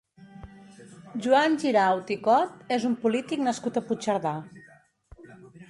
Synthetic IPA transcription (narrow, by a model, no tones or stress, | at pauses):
ʒuanʲʒiɾawt̪ikɔt̪ezumpulit̪iknəskut̪əput͡ʃəɾða